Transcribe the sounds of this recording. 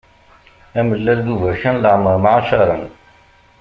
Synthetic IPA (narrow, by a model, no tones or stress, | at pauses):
æməlːæld̪uvæʃænləʕməɾmaʕaʃɑɾˤən